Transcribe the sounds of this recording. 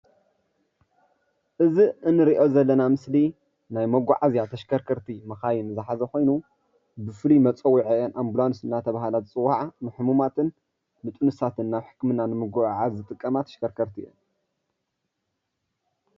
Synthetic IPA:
ʔɨziɨnːɨɾiʔo̞zɐlːɐnamɨsli | najmɐɡʷaʕazjat̪ʰɐʃkʰɐɾkʰɐɾt̪ʰimɐxajɪnɨzɨħazɐxo̞jnu | bɨfɨlimɐt͡sʼɐwːiʕiɐnʔamblanɨsɨnːat̪ʰɐβaɦalat͡sʼɨwaʕanɨħɨmumat̪ʰɨn | mɨt̪ʼunɨsat̪ʰɨnːaβħɨ̥kmɨnanɨmɨɡʷaʕazɨt̪ʼɨkʼːɐmat̪ʰɐ̥ʃkʰɐɾkʰɐɾt̪ʰiʔɛn

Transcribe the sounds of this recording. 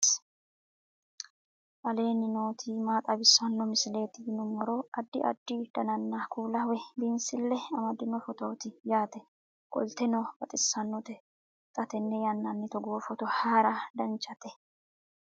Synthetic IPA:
ʔɐle̞ːnɪno̞ːt̪ʰiːmaːt̪ʼɐbɪsːɐnːɔmɪsɪle̞ːt̪ːɪdɪnʊmːɐɾoːɐd̪ːɪʔɐ̰d̪ːɪd̪̥ɐnɐnːɐkʰuːlɐwɛbɪnsɪlːɛɐmɐd̪ːɪnːɔfɔt̪o̞ːt̪ɪjaːt̪ɛ | kʼɔ̰lt̪ɛnɔb̥ɐt̪ʼɪsːɐnːɔt̪ɛ | t̪ʼɐt̪ɛnːɛjɐnːɐnːɪt̪ɔɡoːfɔt̪ɔhaːɾɐd̪ɐnt͡ʃʼɐt̪ɛ

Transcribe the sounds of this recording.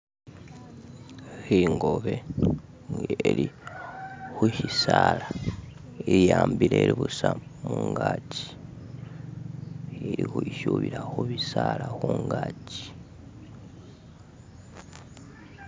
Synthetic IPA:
xiŋɡo̞βe | ŋeli | xuhisala | eɾijaːmbileɾiβusamuŋɡaːci̥ | eɾixuiʃuβiɾaxuβisalaxuŋɡaci̥

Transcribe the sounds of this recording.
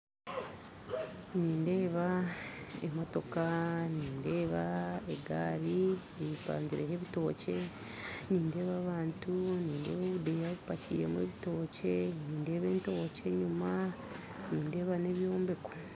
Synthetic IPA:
niːnde̞ːβa | ḛmo̞to̞kaniːnde̞ːβaeɡaːɾi | ejipa̰ːɲɟiɾʔeɦe̞βito̞ːce̞ | niːnde̞ːβaːβaːntuniːnde̞̰ːβoβudejaβupacḭːje̞̰mwe̞̰βito̞ːce̞niːnde̞ːβe̞ːnto̞ːce̞ɲuma | niːnde̞ːβane̞βjo̞ːmbe̞ko̥

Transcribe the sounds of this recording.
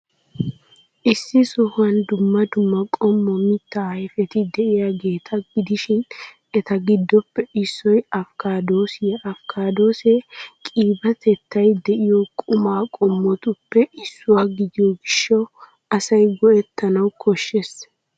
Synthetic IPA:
ʔɪsːɪsɔhɐnd̪ʊmːɐd̪ʊmːɐkʼɔmːɔmɪt̪ːɐɐjfɛt̪ɪd̪ɛʔɪjaɡe̞ːt̪ʰɐɡɪd̪ɪʃɪn | ɛt̪ɐɡɪd̪ːɔpːɛɪsːɔjɐfkaːd̪oːsɪjɐʔɐfkʰaːd̪o̞ːseːkʼiːbɐt̪ʰɛt̪ːɐjd̪ɛʔɪjɔkʼʊmaːkʼɔmːɔt̪ʊpːɛʔɪsːʊwaːɡɪd̪ɪjɔɡɪʃːɐw | ɐsɐjɡɔʔɛt̪ːɐnɐwkʰɔʃːes

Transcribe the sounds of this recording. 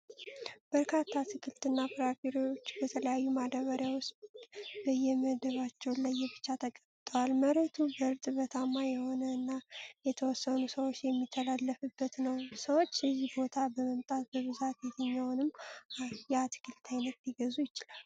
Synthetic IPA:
b̥əɾkʰat̪ʰːat̪ʰɨkʰɨlt̪ɨnːafɾafiɾoot͡ʃːbət̪ʰələjajːumad̪əβəɾjawʊst̪bəjɛməd̪əβat͡ʃːɛwlajːɛbɨt͡ʃːat̪ʰəkʼəbt̪ʼəwalməɾət̪ʰubəɾt̪ʼɨβət̪ʰamajɛho̞nəɨnːajɛt̪ʰəwɔsːənusəwot͡ʃːjɛmːit̪ʰːəlalːəfɨbːət̪nəwsəwot͡ʃːɨzːihbo̞t̪ʰabəməmt̪ʼat̪̚bəβɨzat̪jɛt̪ʰəɲːawnɨmː | jɛat̪ɨ̥kʰɨlt̪ʰajnət̪liɡəzujɪt͡ʃɪlal

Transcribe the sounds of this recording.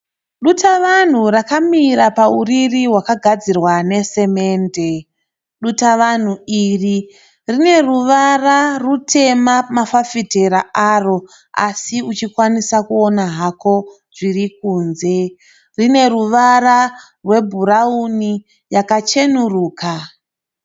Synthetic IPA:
ɗutaʋan̤urakamiɾapauririɦwakaɡʱad͡zirwane̞se̞me̞ːnde̞ | ɗutaʋan̤uiri | rine̞ruʋararutʰe̞mamafafiteɾaaro̞ | a̰siut͡ʃikwanisakuonaɦako̞ | ʐirik̚uːnze̞ | rine̞ruʋaɾa | rwe̞bʱuɾauni | jakat͡ʃe̞nuruːka

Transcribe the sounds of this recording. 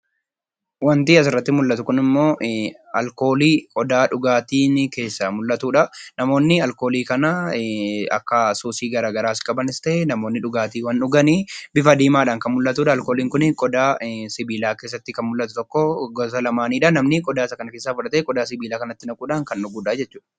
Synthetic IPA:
wɐnt̪iːɐsɪrːɐt̪ːɪmʊlːɐt̪ʊkʊnɪmːo̞ːʔ | ɐ̰lko̞ːliːkʼɔd̪aːᶑʊɡaːt̪iːnɪke̞ːsːɐmʊlːɐt̪uːᶑɐnɐmo̞ːnːɪɐlko̞ːliːkɐnɐ | ɐ̰kːɐsuːsiːɡɐɾaːɡɐɾaːskʼɐbɐnɪst̪ɐʔɛnɐmoːnːɪᶑʊɡaːt̪iːwɐnᶑʊɡɐniːbɪfɐd̪iːmaːᶑaːŋkɐnmʊlːɐt̪uːᶑɐːlkoːliːŋkʊnɪkʼɔd̪aːsɪbiːlaːke̞ːs̬ːɐt̪ːɪkɐnmʊlːɐt̪ʊt̪ɔkːɔɡɔsɐlɐmaːniːᶑɐnɐmnɪkʼɔd̪aːsɐkɐnɐke̞ːsːaːfʊᶑɐt̪eːkʼɔd̪aːsɪbiːlaːkɐnɐt̪ːɪnɐkʼuːᶑaŋkɐnᶑʊɡuːᶑaːd͡ʒɛt͡ʃːuːᶑɐ̥

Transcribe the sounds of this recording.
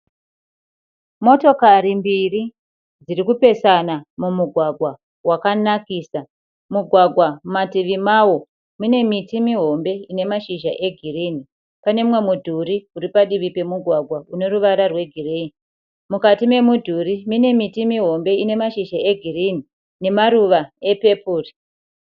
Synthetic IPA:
mo̞to̞kaɾimbiri | d͡zirikupe̞sanamumuɡʱwaɡʱwa | wakanakiːsa | muɡʱwaɡʱwamatiʋimawo̞ | mine̞mitimiɦo̞mbe̞ine̞maʃiʒaʔe̞ɡʱiriːni | pane̞mwe̞mudʱuriuɾipaɗiʋipe̞muɡʱwaɡʱwaune̞ɾuʋaɾarwe̞ɡʱirei | mukatime̞mudʱurimine̞mitimiɦo̞mbe̞ine̞maʃiʒae̞ɡʱirini | ne̞maɾuʋae̞pe̞puːri

